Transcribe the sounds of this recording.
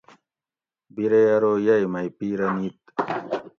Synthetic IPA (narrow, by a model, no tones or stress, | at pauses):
biɾejɐɾoːjɐjmɐjpiːɾɐnit̪̚